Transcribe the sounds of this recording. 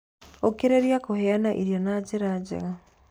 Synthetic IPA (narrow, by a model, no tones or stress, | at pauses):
okeɾeɾiakohɛanaʔiɾjɔnad͡ʒeɾad͡ʑɛ̰ɣa